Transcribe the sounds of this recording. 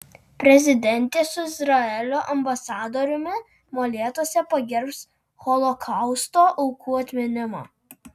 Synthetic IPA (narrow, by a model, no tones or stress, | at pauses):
pʲɾʲɛzʲɪd̪ʲɛnʲt̪ʲeːsʊɪzɾɐɛlʲoːʔɐmbɐsɑːd̪oːɾʲʊmʲɪ | molʲeːt̪oɔsʲɛpɐɡʲɛɾps | xɔlˠɔkʰɐˑʊst̪oːʔɔʊkʰuːɐt̪ʲmʲɪnʲɪmo̰ː